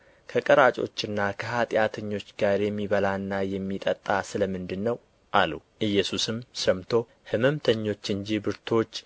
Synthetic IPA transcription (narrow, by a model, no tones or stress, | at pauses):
kʰəkʼəɾat͡ʃʼo̞̰t͡ʃːɨnːakʰəhat̪ʼjat̪ʰəɲːo̞t͡ʃːɡaɾjɛmːiβəlanːajɛmːit̪ʼət̪ʼːasɨləmɨnd̪ɨnːəw | ʔalṵ | ʔɨjːɛsusɨmsəmt̪ʰo̞ | hɨmɨmt̪ʰəɲːo̞t͡ʃːɨɲd͡ʒibɨɾt̪ʰo̞t͡ʃː